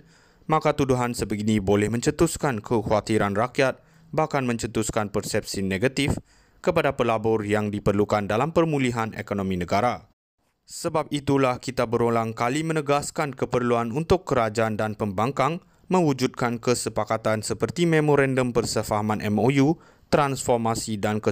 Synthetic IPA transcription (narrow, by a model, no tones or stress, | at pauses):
mãkat̪uduɦansəbəɡinĩbolɛhmə̃ɲt͡ʃət̪uskankʰəhuat̪iɾanrakjat̪̚ | bahkanmə̃ɲt͡ʃət̪uskanpərsɛp̚sineɡat̪if | kəpadapəlabɔrjaŋdipərlukandalampərmuliɦanḛkonõmĩnəɡaɾa | səbap̚it̪ulahkit̪abəɾolaŋkalimə̃nəɡaskankəpərluanunt̪ʊkːəɾad͡ʒaandanpəmbaŋkaŋ | mə̃wud͡ʒud̪̚kankəsəpakat̪ansəpərt̪imẽmoɾandəmpərsəfaɦamãnʔɛmoju | t̪ɾansfɔrmasidankə